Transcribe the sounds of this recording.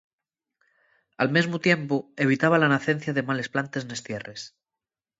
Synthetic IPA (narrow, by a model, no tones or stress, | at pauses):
a̰lmezmot̪je̞mpoe̞β̞it̪aβ̞alanaθe̞nθjaðemale̞splant̪e̞zne̞st̪jeres